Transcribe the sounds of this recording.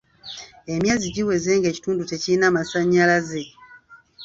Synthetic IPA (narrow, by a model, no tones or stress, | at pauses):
emjaːziɟiwe̞ze̞ːŋɡe̞ːci̥tuːndute̞ciinaːmasaɲːalaze̞